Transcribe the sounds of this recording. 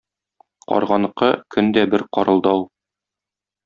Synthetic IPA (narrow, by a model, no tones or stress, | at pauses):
qɒ̰ɾʁɑnɤ̆qɤkʰɵnd̪æbɘɾqɒɾɤ̆lˠd̪ɑw